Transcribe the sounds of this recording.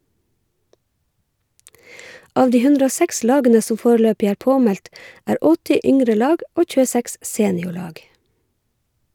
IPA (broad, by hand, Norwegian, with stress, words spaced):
ˈʔɑːʋ ˈdiː ˈhʉndɾə ˈoː ˈsæks ˈlɑːɡənə ˈsɔm ˈfoːɾəˌløːpɪ ˈæːɹ ˈpoːˌmɛlt ˈʔæːɹ ˈɔtɪ ˈʏŋɾə ˈlɑːɡ ˈʔoː ˌc͡çʉːəˈsæks ˈseːnɪʊˌɭɑːɡ